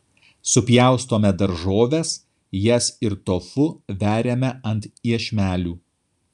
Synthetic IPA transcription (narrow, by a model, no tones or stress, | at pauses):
sʊpʲjæˑʊst̪oːmʲɛd̪ɐɾʒoːʋʲes | jɛsɪɾt̪oːfʊʋʲæːɾʲeːmʲɛɐnt̪iɛʃʲmʲæːlʲuː